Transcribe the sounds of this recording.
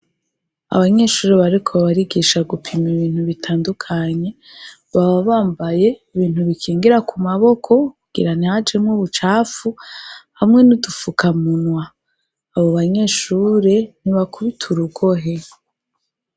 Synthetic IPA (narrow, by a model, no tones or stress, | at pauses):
a̰βaɲe̞ːʃuːɾeβaɾikʰoβaɾiɡiʃaɡupʰimiβiːn̥huβitʰaːndukʰaɲe̞ | βaβaβaːmbaje̞iβiːn̥huβikʰiːŋɡiɾakʰumaβo̞kʰo̞kuɡ̥ḭɾanihad͡ʒemŋuːβut͡ʃaːfuhamŋe̞nudufukʰamunwaː | βo̞βaɲe̞ːʃuːɾe̞n̥iβakʰuβitʰuɾuɡo̞ɦe